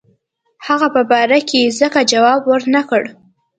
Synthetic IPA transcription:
haɣapəbɑɾakezəkad͡ʒawɑbwəɾnakəɽ

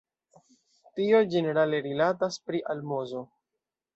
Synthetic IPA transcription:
tio̞d͡ʒe̞ne̞ɾale̞ɾilataspɾiʔalmozo̞

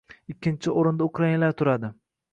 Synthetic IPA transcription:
ɪkʲːɪnt͡ʃʰɪoɾɪnd̪aʊkʰɾainlaɾt̪ʰʊɾad̪ɪ

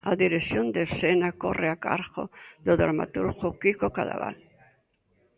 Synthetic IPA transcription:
aðiɾeθjond̪esenakoreaka̰ɾɣo̰ðoða̰ɾma̰t̪uɾɣokikokaða̰βa̰l

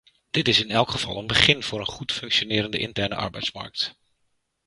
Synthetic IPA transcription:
d̥ɪtɪsɪnɛlˠkχəv̥ɑ̰lˠənbəχɪnv̥ʊːɾənχutfɵŋkʃonɪːɾəndəʔɪ̰ntɛɹnə̰ʔɑ̰ɹbɛ̰jtsmɑ̰ɹk̚t

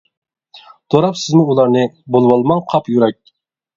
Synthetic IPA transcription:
t̪ʰoɾɑpsɪzmuulˠɑɾnɨbolˠwɑlˠmɑŋqʰɑpjyɾɛk̚ʲ

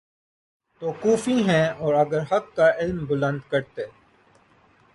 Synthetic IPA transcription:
t̪oːkuːfĩɦɛ̃ɔːɾɐɡəɾɦɐkːaʔɪlmbʊlə̃nd̪kɐɾt̪eː

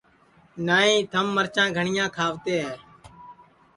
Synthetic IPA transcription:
naːɦĩːt̪ʰəmːəɾt͡ʃãːɡʱəɳɪjãːkʰaːʋt̪eːɦeː

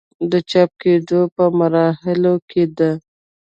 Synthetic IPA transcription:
d̪ət͡ʃɑp̚ked̪opəmaɾɑhɪlokʰed̪a

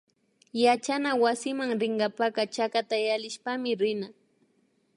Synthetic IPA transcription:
jat͡ʃanawasɪmaŋɾɪɴɢɑpaɢɑt͡ʃakat̪ajalɪʃpamɪɾɪna

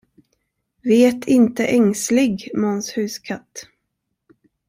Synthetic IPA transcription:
veːt̪ʰɪnt̪əʔɛŋslɪɡmɔnshʉ̟ːskʰat̪ː

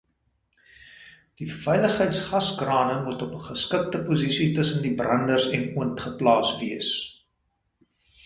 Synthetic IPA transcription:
d̥ifɛjləχɦəjtsχɐsɡrɑːnəmutɔpəχəskək̚təpuzisitəsəndibrɐndərsɛnuəntχəplɑːsviəs

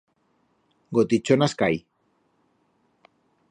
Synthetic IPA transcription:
ɡot̪it͡ʃonaskaj

